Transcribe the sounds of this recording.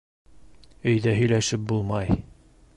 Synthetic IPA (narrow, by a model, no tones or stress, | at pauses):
ɵ̆jd̪æɦɵ̆jlæʃɘp̚bulˠmɑj